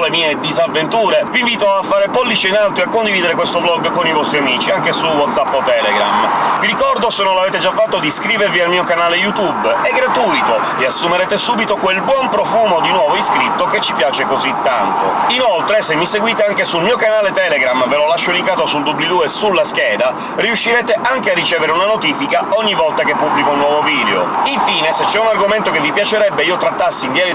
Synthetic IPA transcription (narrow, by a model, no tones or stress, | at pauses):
lemiːed̪izavːent̪uːɾeviɱviːt̪oafːaːɾepɔlːit͡ʃeinalt̪oakːond̪ivid̪eɾekwest̪oblɔɡkonivɔst̪ɾiamiːt͡ʃiaŋkesuwɔt̪sapːot̪ɛːlḛɡɾa̰mviɾikɔrd̪osenːonlaveːt̪ed͡ʒafːat̪ːod̪iskɾiːveɾvialmiːokanaːlejut̪ubeɡɾat̪ujt̪o | easːumeɾɛːt̪esuːbit̪okwelbwɔmpɾofuːmod̪inwɔːvoiskɾit̪ːoket͡ʃːipjaːt͡ʃekozit̪ːa̰nt̪o̰inolt̪ɾesemːiseɡwiːt̪eaŋkesulmiːokanaːlet̪ɛleɡɾamvelolaʃːolikaːt̪osuld̪ubːled̪uesulːaskɛːd̪a | riuʃːiɾɛːt̪eʔaŋk̟earːit͡ʃɛːveɾeunanot̪iːfikaɔɲːivɔlt̪akepːubːlikounːwɔːvoviːd̪eo̰iɱfiːneset͡ʃːɛunarɡoment̪okevːipjat͡ʃeɾɛbːeiːot̪ɾat̪ːasːind̪jɛːɾ